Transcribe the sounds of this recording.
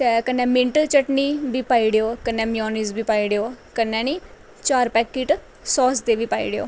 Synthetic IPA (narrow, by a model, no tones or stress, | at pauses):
t̪ɛːkənːɛ̃ːmɪɳʈt͡ʃəʈniːbiːpaːiːɽeːoːkənːɛ̃ːmɪjɔːniːzbiːpaːiːɽeːoːkənːɛ̃ːniː | t͡ʃaːɾpɛːkːiːʈ | sɔːsd̪eːʋiːpaːḭːɽeo̰ː